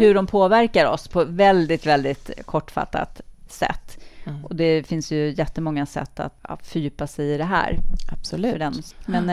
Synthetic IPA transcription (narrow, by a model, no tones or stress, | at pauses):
hɵɖɔmpʰoːvæɾkaɾɔ̰spʰɔvɛld̪ɪt̪vɛld̪ɪt̪kʰɔʈːfa̰t̪ːa̰t̪sɛ̰t̪ːʔɔd̪ɛfɪnsjɵjɛt̪ːəmɔŋːasɛ̰t̪ːa̰t̪fœɾjʏːpːasɛjɪd̪ɛɦæ̰ːɾab̥sd̪ɛnmɛn